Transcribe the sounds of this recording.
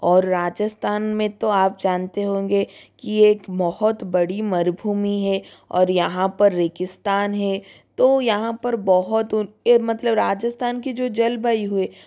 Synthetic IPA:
ɔːɾːaːd͡ʒəst̪ʰaːnmẽt̪oaːp̚d͡ʒaːnt̪eɦõːɡekieːkbɐhʊt̪bɐɽimɐɾbʱuːmiɦɛɔ̰ːɾjɐɦãpɐɾːeːkɪst̪aːnɦɛt̪ojɐɦãpɐɾbɐɦʊt̪ʊemɐt̪ləbɾaːd͡ʒəst̪ʰaːnked͡ʒoːd͡ʒɐlbaiɦue

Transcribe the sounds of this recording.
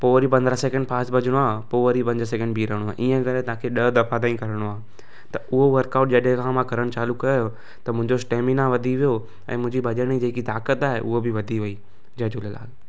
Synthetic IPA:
poːʋɾipɐ̃nd̪ɾəsɛkə̃ɳɖpʰaːsʈbʱɐd͡ʑʱəɽ̃oaːpoːʋəɾipɐ̃ɲd͡ʑəs̬ɛkə̃ɳɖbʱiːɾəɦɽoaːʔiːə̃ɡɐɾẽt̪ãːkʰeɗɐd̪ɐfʰad̪ãːĩkɐɾəɽ̃oaː | t̪ɐʊɦoʋɐɾkaːʊʈ̚d͡ʑɐɗẽkʰãmãkɐɾəɽ̃t͡ɕaːlukɐjoo | t̪ɐmʊ̃ɦɪ̃ɲd͡ʑosʈeːminaʋɐd̪ʱiʋijo | ɛ̰̃ːmʊ̃ɦɪ̃ɲd͡ʑibɐʄəɽ̃id͡ʑeːkit̪aːkət̪aːɦeʔʊɦobɪʋɐd̪ʱiʋɐi | d͡ʑɐd͡ʑoləla̰ːl

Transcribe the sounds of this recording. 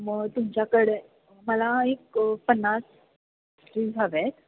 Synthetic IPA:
məɡt̪umt͡ɕjakəɽe | məlaekpənːas | ɾiːd͡zʱaʋet̪

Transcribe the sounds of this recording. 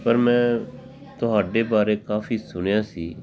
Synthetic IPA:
pəɾmɛ̃ː | t̪ʊɦaːɖeːbaːɾeːkaːfʰiːsʊɳjãːsiː

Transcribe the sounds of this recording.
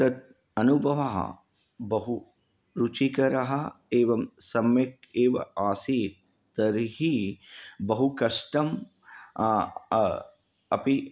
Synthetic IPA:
t̪ɐt̪̚ | ɐnubʱɐʋaɦɐ̰ | bɐɦu | ɾut͡ʃikɐɾɐɦɐeːʋɐmsɐmjɐk̚eːʋɐ̰aːsiːt̪ | t̪ɐɾɦi | bɐɦukɐʂʈɐm | ɐ̰pi

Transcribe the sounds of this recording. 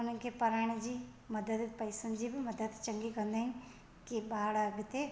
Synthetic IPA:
ʊnəkepəɾaːɳ̃d͡ʒi | mɐd̪əd̪pɐɪsənd͡ʒiːbimɐd̪əd̪t͡ʃəŋɡikənd̪eɦn | kibaːɽəɡt̪e

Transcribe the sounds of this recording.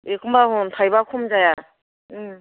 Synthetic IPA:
ekʰɯmbaɦuntʰajbakʰumzaja | ɯm

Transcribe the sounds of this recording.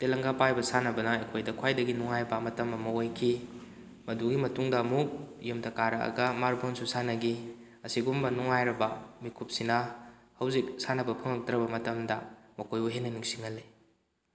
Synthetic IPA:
telɐŋɡapajbɐsanɐbɐnɐekʰojdɐkʰwajdɐɡinuŋajbɐmɐtɐmɐmɐojkʰi | mɐduɡimɐtuŋdɐːmuk̚jumtʰɐkaɾɐɐ̰ɡɐmaɾbʰonsusanɐɡi | ɐsiɡumbɐnuŋajɾɐbɐmikʰup̚sinɐ | hɐwzik̚sanɐbɐpʰɐŋɐk̚dɾɐbɐmɐtɐmdɐmɐkojuɦenːɐniŋsiŋɐlːi

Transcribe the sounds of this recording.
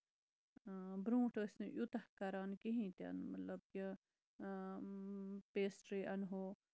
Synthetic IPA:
bɾũːʈəsʲniʔjut̪ɐhkɐɾaːnkiɦĩːt̪ɐ̰nmɐt̪lɐb̚ki | peːsʈɾiːʔɐnɦoː

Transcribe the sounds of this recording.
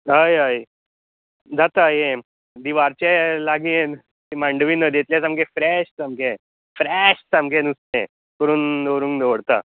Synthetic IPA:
ɦəjɦəj | d͡zʱat̪ajẽ | d̪iʋaɾt͡ɕelaɡien | t̪imaɳɖʋiːnəd̪jet̪ljasamkefɾɛɕsamkẽ | fɾɛɕsamkʰẽnusnẽ | kəɾuːnd̪oɾũːŋkd̪əʋɽt̪a̰

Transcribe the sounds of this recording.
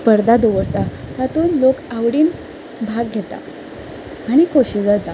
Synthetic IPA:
pəɾd̪ad̪oʋəɽt̪at̪at̪uːnlokaʋɽiːn | bʱaɡːʱet̪a̰ | aɽ̃ikoɕid͡zat̪a

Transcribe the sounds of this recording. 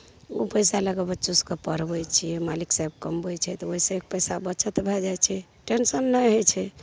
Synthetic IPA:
o̰pəjsaləɡəbətːʃuskepəɾbɛjt͡ʃʰijɛmaliksab̚kəmbojt͡ʃʰɛt̪ɔoɦisẽek̚pəjsabət͡ʃʰət̪bʱɛd͡ʒajt͡ʃʰɛ | ʈensənːəɦot͡ʃʰɛ

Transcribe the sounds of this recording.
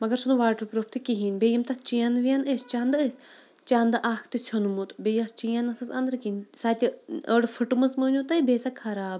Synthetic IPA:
mɐɡɐɾsunuʋaːʈɾpɾopʰt̪ʰikiɦinʲbejɐmt̪ɐt͡ʃijɐnʋijaneːst͡ʃand̪əːsʲ | t͡ʃand̪ɨʔaːkʰt̪it͡ʃʰonmut̪beːjɐst͡ʃijɐnɐsɐsɐ̰nd̪ɾkinsaːt̪ʲiəɽfʰɨʈmɨsmɨːnʲut̪ɐbeːsakʰɐɾaːb

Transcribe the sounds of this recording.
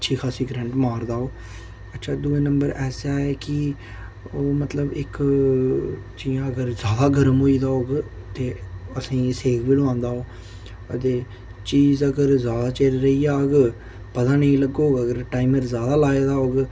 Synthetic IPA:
ətːʃʰiːkʰaːsiːɡɾɛ̃ɳʈmaːɾd̪aːoː | ətːt͡ʃʰaːd̪uːẽːnəmbəɾʔɛːsaːɛːkɪ | oːmət̪ləbɪk | t͡ʃijãːəɡəɾzjaːd̪aːɡəɾəmɦoːiːd̪aːoːɡ | t̪eːəsĩːseːɡʋiːloãːnd̪aːoː | ət̪eː | t͡ʃiːzəɡəɾzjaːd̪aːt͡ʃeːɾɾəiːaːɡ | pət̪ãːnəĩːləɡoːɡəɡəɾʈaːɪməɾzjaːd̪aːlaːeːd̪aːoːɡ

